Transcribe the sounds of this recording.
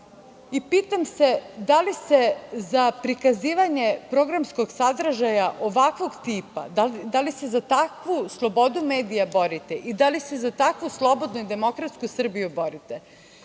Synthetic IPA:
ipiːt̪amse̞d̪alisezapɾikaziːʋaɲe̞pɾo̞ɡɾamsko̞ɡsad̪r̩ʒajaʔo̞ʋakʋo̞ɡt̪iːpa̰d̪alid̪alise̞zat̪akʋuslˠo̞bo̞d̪ume̞ːd̪ijabo̞ɾit̪eʔid̪alisezat̪akʋuslˠo̞bo̞d̪nuid̪e̞mo̞kɾat̪skusr̩bijubo̞ɾit̪e

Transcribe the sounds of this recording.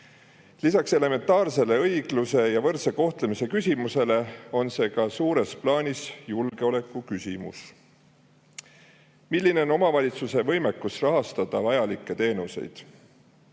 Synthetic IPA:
lisɑkse̞le̞me̞nt̪ːˑɑːrse̞le̞ɤjɡ̥luse̞jɑvɤrseko̞ht̪lemise̞kysʲimuse̞le̞o̞nse̞ːkɑsuːɾe̞splɑːnʲisjulɡ̥e̞o̞le̞kːˑukysʲimṵs | milʲːine̞o̞no̞mɑvɑlʲit̪suse̞vɤ̞jmekːˑusrɑɦɑst̪ɑd̪̥ɑvɑjɑlikːˑe̞t̪e̞ːnuse̞̰jd̪̥

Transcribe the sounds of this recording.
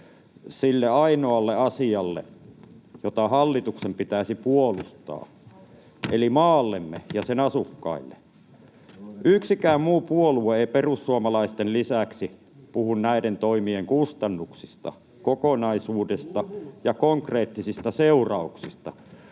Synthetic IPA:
silːeɑinoɑlːeɑsiɑlːḛ | jot̪ɑhɑlːit̪uksempit̪æˑisipuolust̪ɑ̰ː | elimɑːlːemːḛjɑsenɑsukːɑ̰ilːḛ | ʔyksikæːmmuːpuolueeiperusːuɑmɑlɑist̪enlisæksi | puhunnæident̪oimieŋkust̪ɑnːuksist̪ɑ̰ | kokonɑisuːdest̪ɑjɑkoŋkreːt̪ːisist̪ɑseurɑuksist̪ɑ̰

